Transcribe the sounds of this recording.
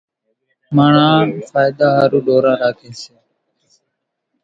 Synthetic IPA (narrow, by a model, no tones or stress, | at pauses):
maːɳãːfaːjɪd̪aːɦaːɾuːɗoːɾãːɾaːkʰẽːseː